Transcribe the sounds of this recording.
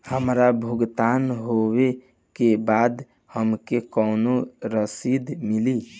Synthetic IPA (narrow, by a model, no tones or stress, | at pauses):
həmɾabʱuɡt̪anɦowe | kebad̪ | həmkekəʊnoɾəsid̪mili